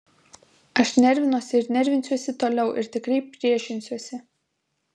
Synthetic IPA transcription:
ɐʃnʲɛɾʲʋʲɪnuɔsʲɪɪɾnʲɛɾʲʋʲɪnʲsʲuɔsʲɪt̪oːlʲɛʊʔɪ̰ɾt̪ʲɪkɾʲɛɪpʲɾʲiɛʃʲɪnʲsʲuɔsʲɪ

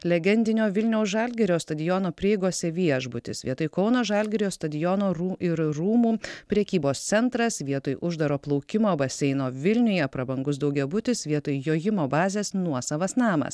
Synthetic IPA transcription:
lʲɛɡʲɛnʲd̪ʲɪnʲoːʋʲɪlʲnʲɛʊsʒɐlʲɡʲɛɾʲoːst̪ɐd̪ʲɪjɔnoːpʲɾʲɪɛɪɡoːsʲɛʋʲiɛʒbʊt̪ʲɪ̰sʋʲiɛt̪oɪkɒʊnoːʒɐlʲɡʲɛɾʲoːst̪ɐd̪ʲɪjɔnoːɾuɪɾɾuːmuːpʲɾʲɛkʲiːboːst̪sʲɛnt̪ɾɐsʋʲiɛt̪ojʔʊʒd̪ɐɾoːplˠɔʊkʲɪmoːbɐsʲɛɪnoːʋʲɪlʲnʲʊjɛpɾɐbɐŋɡʊs̬d̪ɐʊɡʲɛbʊt̪ʲɪsʋʲiɛt̪ojjoːjɪmoːbɑːzʲɛːsnuɔsɐʋɐsnɑːmɐ̰s

